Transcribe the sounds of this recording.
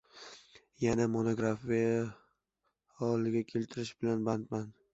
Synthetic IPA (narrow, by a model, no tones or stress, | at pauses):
janamonoɡɾafija | ɒlɪɡʲakʲʰe̞lt̪ʰɪɾɪʃbɪlanbant̪man